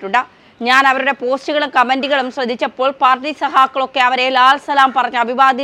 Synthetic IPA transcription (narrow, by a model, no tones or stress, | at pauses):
ʈːuɳɖɨ | ɲaːnɐʋɐɾuɽe̞po̞ːstuɣɐɭumkɐmɐndiɣɐɭumsrɐd̪ʱːit͡ɕːɐpːo̞ːɭpaːrʈːisɐɦaːkːɐɭo̞kːe̞ɐʋɐɾelaːlsɐlaːmpɐrɐɲːɐɐbʱiʋaːd̪ʱi